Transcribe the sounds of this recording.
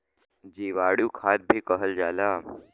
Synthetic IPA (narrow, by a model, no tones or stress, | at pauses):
d͡ʑiʋaɽjuːkʰat̪̚bʱiːkəɦəld͡ʒala